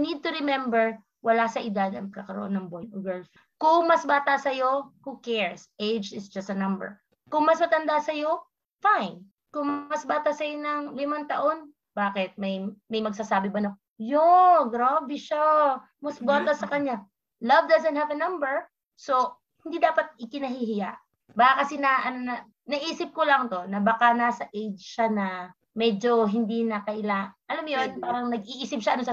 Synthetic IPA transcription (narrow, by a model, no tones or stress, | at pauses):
nid̪̚t̪ʊɾɪmɛmbɛɹ | wɐlasɐʔɪd̪ad̪ɐŋmɐkɐkɐɾɐ̰ʔonːɐŋbojʊɡɛɹs | kʊŋmɐsbaːt̪ɐsɐjo̞hukɛɹsʔejd͡ʒɪsd͡ʒɐst̪ɐnɐ̃mbɛ̰ɹ | kʊŋmɐsmɐt̪ɐnd̪asɐjo̞ | fajn | kʊŋmɐsbaːt̪asɐjonɐŋlɪmaŋt̪ɐʔo̞n | b̥aːkɛt̪̚mɐjmɐjmɐɡ̚sasaːbɪbɐno | joɡɾabɪʃa | mɐsbolt̪ɐsɐkɐɲa | lɐvd̪azɐnhavɐnɐmbɛɹ | so̞ | hɪnd̪id̪aːpɐt̪̚ɪkɪnɐɦiɦɪjaʔ | baːkakɐsɛnaʔɐnnɐ | nɐʔiːsɪp̚kolɐŋt̪o̞nɐbɐkanaːsɐʔejd͡ʒʃanɐ | mɛd͡ʒo̞ɦɪnd̪inɐkɐʔɪlaʔɐlamjonpaːɾɐŋnɐɡ̚iʔiːsɪp̚ʃaʔɐnonsɐ